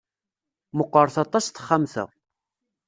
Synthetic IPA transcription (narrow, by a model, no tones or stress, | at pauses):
mʊqːəɾˤθɑt̪ˤːɑsθə̥χːamθə̰ʁ